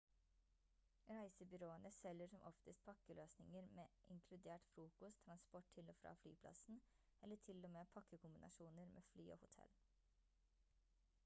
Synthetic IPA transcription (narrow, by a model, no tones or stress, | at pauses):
ɾæɪsəbʏɾoːənəsɛlːəʂɔmʔɔft̪əst̪̚pʰɑkːəløːsnɪŋəɾmeːʔɪŋkʰlʉd̪eːʈfɾuːkʊst̪ʰːɾɑnspɔʈʰɪloːfɾɑ̰ːfly̰ːpʰlɑ̰sn̩ | ʔɛlːəʈʰɪlɔmeːpʰɑkːəkʰʊmbɪnɑ̰ʃuːnəɾmʔḛːflyːo̰ːhʊt̪ʰɛ̰l